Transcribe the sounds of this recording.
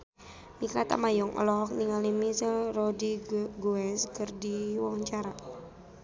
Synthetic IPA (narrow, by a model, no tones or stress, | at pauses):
mikat̪a̰majɔŋʔɔ̰lɔk̚niŋalimisərɔdiɡuɛskərdiwɔŋt͡ʃaɾa